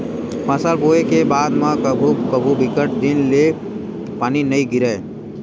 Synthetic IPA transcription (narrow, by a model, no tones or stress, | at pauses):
pɐ̃səlboːekebaːd̪mãkbʱukəbʱubɪkəʈ̚d̪ɪnle | paːninɐiɡɪɾəː